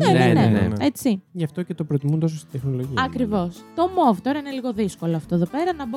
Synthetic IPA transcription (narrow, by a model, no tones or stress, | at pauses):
nenenenḛet͡siʝɐft̪o̞cet̪o̞pɾot̪imund̪osost̪id̪e̞xno̞loʝiɐkɾivo̞st̪o̞mo̞vt̪o̞ɾɐineliɣo̞ðisko̞loɐft̪oðo̞pe̞ɾɐnɐb